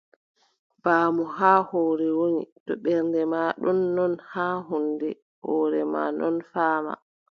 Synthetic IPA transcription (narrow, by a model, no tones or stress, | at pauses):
b̥aːmɔɦaːhɔːɾɛwonḭtɔɓɛɾndɛmaːɗɔnːɔnhaːɦundɛ | hɔːɾɛma̰nɔ̰nfaːma̰